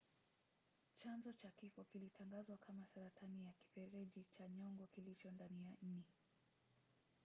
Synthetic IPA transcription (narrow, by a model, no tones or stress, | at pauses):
t͡ʃanzɔt͡ʃakifɔkilitʰaŋɡazwakʰamasaɾatanijaki̥fɛɾɛʄit͡ʃaɲɔŋɡɔkilit͡ʃɔndanijan̩nɛ